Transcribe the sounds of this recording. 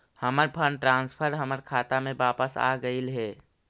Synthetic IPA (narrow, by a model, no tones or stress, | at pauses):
həməɾpʰəɳɖʈɾãːnspʰəɾɦəməɾkʰaːt̪amẽbaːpəsa̰ɡəɪlɦɛː